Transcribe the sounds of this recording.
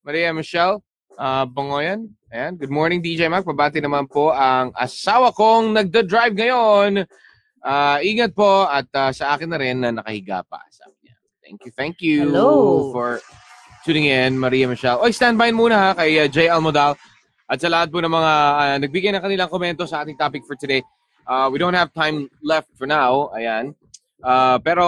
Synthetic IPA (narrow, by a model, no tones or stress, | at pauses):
mɐɾiːjɐmɪʃɛl | ʔabɐŋoːjɐn | ɐjanɡʊd̪moːɹnɪŋd̪id͡ʒɛjmak̚bɐbaːt̪ɪnɐmanpo̞ʔɐŋʔɐ̰saːwɐko̞ŋnɐɡ̚d̪ɐd̪ɹajvŋɐjon | ʔaːʔiːŋɐt̪̚po̞ɐt̪̚asɐʔaːkɪnːɐɾɪnːɐnɐkɐhɪɡa̰ːpɐ̰sa̰ːbɪɲɐ̰ | t̪ɛ̰ŋkjuθɛŋkjufɔɹ | t̪ʰuːnɪ̃ŋɪnmɐɾiːjɐmɐʃɛlʔojst̪ãnd̪̚bajnmuːnɐhakɐjad͡ʒejɛlmod̪al | ʔɐt̪sɐlɐhat̪̚ponɐŋmɐŋaanɐɡ̚biɡɐjnɐŋkɐnɪlaŋkomɛnt̪o̞sɐʔaːt̪ɪŋt̪aːpɪk̚fɔɹt̪ʊd̪ej | ʔawid̪ow̃nt̪hɐvt̪ãjmlɛft̪̚fɔɹnawʔɐjan | ʔapɛːɾo̞